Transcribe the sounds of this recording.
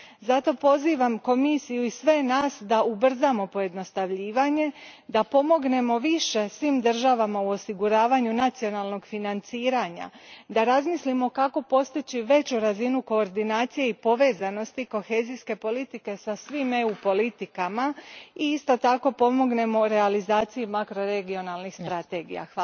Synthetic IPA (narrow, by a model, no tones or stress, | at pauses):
zat̪o̞po̞ziːʋamko̞misijuisʋe̞naːsd̪aubr̩zamo̞po̞je̞d̪no̞st̪aʋʎiːʋaɲe̞ | d̪apo̞mo̞ɡne̞mo̞ʋiʃe̞sʋiːmd̪r̩ʒaʋamauo̞siɡuɾaːʋaɲunat̪sio̞nalˠno̞ɡfinant̪siːɾaɲa̰ | d̪aɾazmislimo̞kako̞po̞st̪it͡ɕiʋe̞t͡ɕuɾazinuko̞ːɾd̪inaːt̪sije̞ipo̞ʋe̞ːzano̞st̪iko̞xe̞ːziske̞po̞lit̪ike̞sasʋime̞upo̞lit̪ikamaiist̪o̞t̪ako̞po̞mo̞ɡne̞mo̞ɾe̞alizaːt̪sijumakɾo̞ɾe̞ɡio̞nalˠnixst̪ɾat̪e̞ɡḭja̰xa